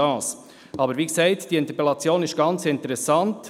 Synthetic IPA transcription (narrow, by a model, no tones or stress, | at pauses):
ɑːs | ʔɑbəɾʋiːksɛɪtd̥iɪnt̪əpelɑt͡sjoːnɪʃɡ̥ɑnt͡sɪntəɾɛsɑnt